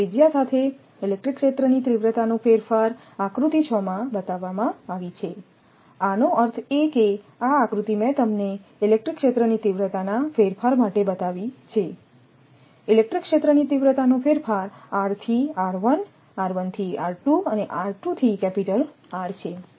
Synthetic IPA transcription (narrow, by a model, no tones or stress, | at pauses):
id͡ʒjasat̪ʰe | ilek̚ʈɾikʃet̪ɾənit̪ɾiʋɾət̪anũfeɾfaɾ | akɾut̪it͡ʃʰɔmãbət̪aʋːamãaʋit͡ʃʰe | anoəɾt̪ʰeke | aːkɾut̪imɛ̃t̪əmneilek̚ʈɾikːʃet̪ɾənit̪iʋɾət̪anafeɾfaɾmaʈebət̪aʋit͡ʃʰe | ilek̚ʈɾikʂet̪ɾənit̪iʋɾət̪anũfeɾfaɾaɾt̪ʰiaɾʋən | aɾʋənt̪ʰiaɾʈuəneʔaɾʈut̪ʰikɛpiʈəl | aɾt͡ʃʰe